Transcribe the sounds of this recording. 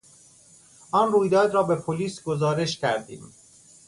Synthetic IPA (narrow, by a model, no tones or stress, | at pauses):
ʔɒːnruːjd̪ɒːd̪ɾɒːbe̞pʰoliːsɡo̞zɒːɾe̞ʃcʰæ̰ɾd̪ḭːm